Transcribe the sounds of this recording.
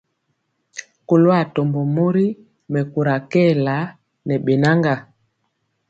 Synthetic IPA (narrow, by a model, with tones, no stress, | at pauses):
ku˨lwa˦˨tɔ˨mbɔ˨mo˦ɾi˦ | mɛ˨ku˨ɾa˨kɛ˦˨la˨˦ | nɛ˨ɓɛ˨na˦ŋɡa˨